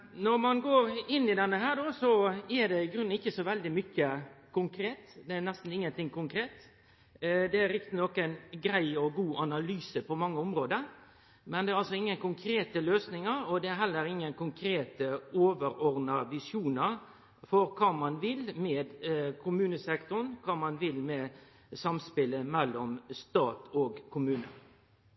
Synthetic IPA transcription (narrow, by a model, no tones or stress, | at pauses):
nɔɾmɑnɡoːɾɪnːɪd̪ɛnːəɦæːɾɖoːsɔæd̪ɛɪɡɾʉnːɪçːəsɔʋɛld̪ɪmʏçːəkʰʊŋkʰɾeːt̪d̪ɛænɛst̪n̩ɪŋːənt̪ʰɪŋkʊŋkɾeːt̪ | d̪ɛæɾɪkt̪ɪnɔkənɡɾæɪɔɡuːʔɑnɑlyːsəpɔmɑŋːəʊmɾoːd̪əɾ | mɛnd̪ɛæɾɑlsɔɪŋːənkʊŋkʰɾeːt̪əløːsnɪŋəɾɔd̪ɛæɾɦɛlːəɾɪŋːənkʰʊŋkʰɾeːt̪əoːʋəɾɔɾnɑʋɪsjuːnəɾ | fɔɾkʰɑːmɑnʋɪlmɛːd̪kʰʊmʉːnəsɛkt̪ʊnkʰɑːmɑnʋɪlmɛː | sɑmspɪləmɛlːɔmst̪ɑːt̪ɔːɡkʰʊmʉːnə̰